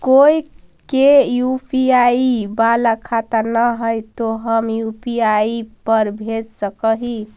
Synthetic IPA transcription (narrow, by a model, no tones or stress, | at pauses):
koi | kejupiaibalakʰat̪anəɦəjt̪oɦəmjupiaipəɾbʱetsəkəɦi